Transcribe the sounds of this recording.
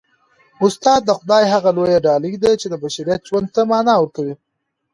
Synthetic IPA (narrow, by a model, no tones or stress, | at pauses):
ʊst̪ɑd̪ːəxʊd̪ɑjɦaɣalojaɖɑləjd̪at͡ʃed̪əbaʃaɾijat̪̚ʒwand̪̚t̪amɑnɑwəɾkawi